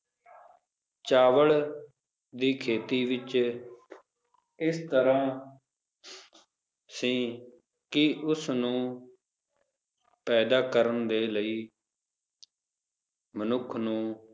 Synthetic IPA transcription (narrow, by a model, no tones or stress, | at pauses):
t͡ʃaːʋəɭ | d̪iːkʰeːt̪iːʋɪt͡ʃ | ɪst̪əɾãː | sĩː | kɪʊsnũː | pɛːd̪aːkəɾənd̪eːləiː | mənʊkʰnũː